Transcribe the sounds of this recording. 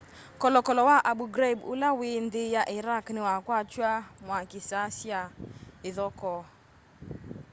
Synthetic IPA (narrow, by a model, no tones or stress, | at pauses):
kɔlɔkɔlɔwaʔaɓuɡɾabʊ̰lawɪndɪjaʔɪɾaknɪwakwat͡ʃwamwakɪsasjaɪðɔkɔ